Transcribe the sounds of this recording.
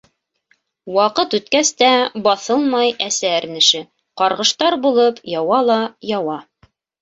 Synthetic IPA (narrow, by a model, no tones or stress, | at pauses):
wɑqɤt̪ʉt̪kæst̪æbɑθɤlˠmɑjæsæɘɾnɘ̆ʃɘ | qɑɾʁɤ̆ʃt̪ɑɾbulˠɤpʰjɑwɑlˠɑjɑwɑ